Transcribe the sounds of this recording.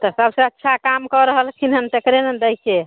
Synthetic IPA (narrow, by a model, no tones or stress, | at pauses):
t̪ɔsəbsəətːʃʰakamkɔɾəɦəlkʰinɦənt̪ekɾenend̪əjke